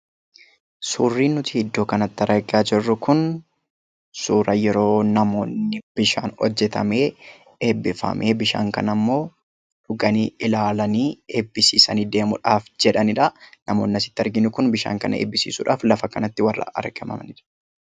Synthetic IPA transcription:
suːrːiːnːʊt̪ɪɪd̪ːo̞ːkɐnɐt̪ːɐɾɐɡaːd͡ʒɪrːʊkʊn | suːɾɐjɛɾo̞ːnɐmo̞ːnːɪb̥ɪʃa̰ːnɔ̰d͡ʒːɛt̪ɐ̰me̞ː | eːbːɪfɐ̰mʔe̞ːbɪʃa̰ːŋkɐ̰nɐmːo̞ː | ᶑʊɡɐniːʔɪlaːlɐniːe̞ːbːɪsḭːsɐniːd̪e̞ːmʊᶑaːfd͡ʒɛᶑɐnɪᶑɐnɐmo̞ːnːɪɐsɪ̥t̪ːɪɐɾɡɪnʊkʊnbɪʃa̰ːŋkɐnɐḛːbːɪsḭːsʊᶑa̰ːflɐfɐkɐnɐt̪ːɪwɐrːɐ̰ʔɐ̰ɾɡɐmɐ̰mɐnɪᶑɐ̥

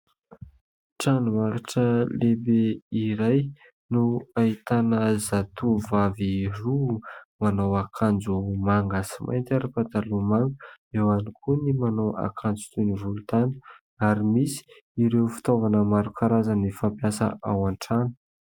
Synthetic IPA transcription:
ʈ͡ʂanumaɾaʈ͡ʂəlebeiɾaj | nuait̪anəzat̪uvavirumanowakʰand͡zumaŋɡasimʔa̰jnt̪ʲaɾəpat̪alumaŋɡəewanikʰunimanowa̰kʰand͡zu̥t̪univulut̪anə̥ | aɾimisi̥ | iɾewfi̥t̪ovanəmaɾukaɾazanifampjasə̰ʔawaɳʈ͡ʂanə̥

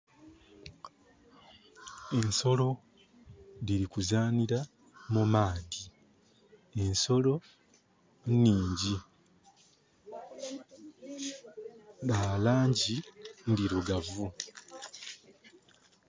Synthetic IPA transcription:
e̞nso̞lo̞ | ðiɾikuzaːniɾa | mumaːdi | e̞nso̞lo̞ | nːiːɲɟi | lalaːɲɟindiɾuɡavu

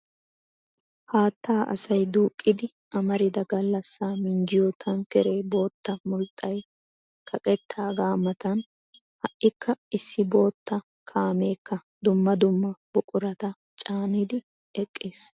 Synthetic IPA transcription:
haːt̪ʰːaːʔɐ̰sɐjd̪uːkʼːɪd̪ɪ | ʔɐmɐɾɪd̪ɐɡɐlːɐsːaːmɪnd͡ʒɪjɔt̪ʰɐnkɛɾe̞ːbo̞ːt̪ːɐmʊlt̪ʼːɐj | kʰɐkʼɛt̪ʰːaːɡaːmɐt̪ɐn | hɐʔːɪkʰːɐɪsːɪbo̞ːt̪ːɐ | kʰaːme̞ːkʰːɐd̪ʊmːɐd̪ʊmːɐbʊkʼʊɾɐt̪ɐ | t͡ʃʼaːnɪd̪ɪ | ɛkʼːeːs

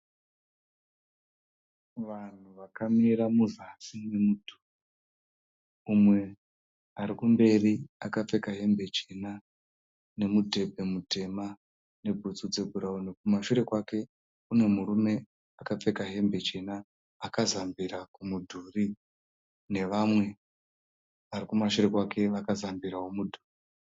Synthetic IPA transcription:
ʋan̤uʋakamiɾamuʐasinimudʱu̥r | umwe̞ | aɾikumbe̞riakap͡fe̞kaɦe̞mbe̞t͡ʃena | ne̞mudʱe̞bʱe̞mute̞ma | ne̞bʱut͡sud͡ze̞bʱuɾaunekumaʃuɾe̞kwake̞ | une̞muɾume̞ | akap͡fe̞kaɦe̞mbe̞t͡ʃe̞naː | kazambiɾakumudʱuːri | ne̞ʋamwe̞ | ʋarikumaʃure̞kwakʰe̞ʋakazambiɾawo̞mudʱu̥ːri

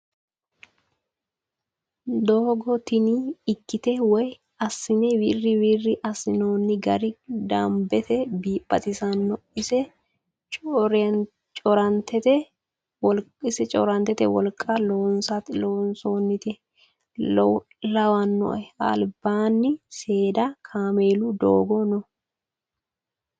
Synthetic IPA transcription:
d̪oːɡɔt̪ɪniɪkːɪt̪ɛwɔj | ɐsːɪnɛwiːrːɪwiːrːɪʔɐsɪnoːnːɪɡɐɾɪd̪aːmbɛt̪ɛbiːpʼːɐt̪ʼɪsɐnːɔɪsɛ | t͡ʃʼoɾɛn | t͡ʃʼɔɾɐnt̪ʰɛt̪ɛ | wɔlkʼɪsɛt͡ʃʼɔ̰ɾɐnt̪ːɛt̪ɛwɔ̰lkʼːɐloːnsɐt̪ɪloːnsoːnːɪt̪ɛ | lɐwɐnːɔ̰ʔɛɐ̰lbaːnːɪse̞ːd̪ɐkʰaːmeːlʊd̪o̰ːɡɔnɔ

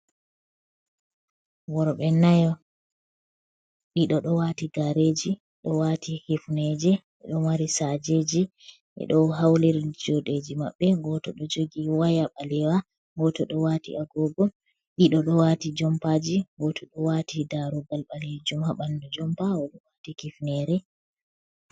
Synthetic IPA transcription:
wɔɾɓɛnajɔ | ɗiɗɔɗɔwatiɡaɾed͡ʒi | ɗɔwatʰihifned͡ʒɛʔɛ̰ɗɔmaɾisad͡ʒed͡ʒi | ʔɛ̰ɗɔɦawliɾd͡ʒɔɗed͡ʒima̰ɓːɛɡɔtɔɗɔd͡ʒoɡiwajaɓalɛwa | ŋɡɔtɔɗɔwatḭʔaɡɔɡɔ | ɗiɗɔɗɔwatid͡ʒɔmpad͡ʒiŋɡɔtʰɔɗɔwatʰidaɾɔɡalɓaled͡ʒumhaɓandud͡ʒɔmpaɔɗɔwatikifnɛɾɛ

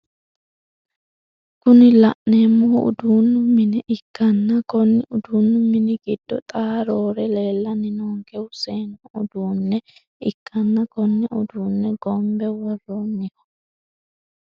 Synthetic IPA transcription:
kʊnɪlɐʔneːmːɔʊ̰d̪uːnːʊmːɪnɛʔɪkːɐnːɐkɔnːɪʊd̪uːnːʊmɪnɪɡɪd̪̥ːɔt̪ʼaːɾoːɾɛle̞ːlːɐnɪnoːŋkɛwʊseːnːʊʊd̪uːnːɛ | ɪkʰːɐnːɐkɔnːɛʔʊd̪uːnːɛɡɔmbɛwɔrːomːɪkɔ̥

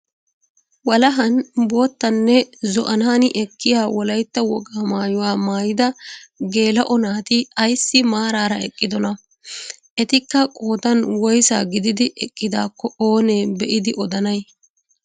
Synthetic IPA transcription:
wɐlɐɦɐnbo̞ːt̪ːɐnːɛzɔʔɐnaːnɪʔɛkːɪjaːwɔlɐjt̪ːɐwɔɡaːmaːjʊwaːmaːjɪd̪ɐɡe̞ːlɐʔɔnaːt̪ɪɐjsːɪmaːɾaːɾɐɛkʼːɪd̪ɔnɐ | ʔɛt̪ɪkːɐkʼo̞ːd̪ɐnwɔjsa̰ːɡɪd̪ɪd̪ɪʔɛkʼːɪd̪a̰ːkːɔo̞ːneːbɛʔɪd̪ɪʔɔd̪ɐnɐj

